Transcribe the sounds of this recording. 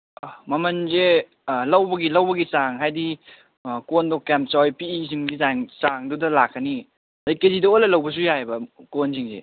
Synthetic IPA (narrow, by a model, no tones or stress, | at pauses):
mɐmɐnze | lɐwbɐɡilɐwbɐɡisaŋɦajdi | kondɔkampt͡ʃɔjpiːziŋɡizaŋsaŋdudɐlakʰːɐni | ajkezidɐojlɐlɐwbɐs̬ujabɐkonziŋzḛ